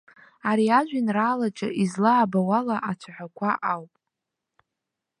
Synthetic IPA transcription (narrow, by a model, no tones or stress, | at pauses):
aɾiaʒʷᶣinraːlat͡ʃʼaʔizlaːbawalaʔat͡ʃʷʰaħʷᶣakʷʰaʔawpʼ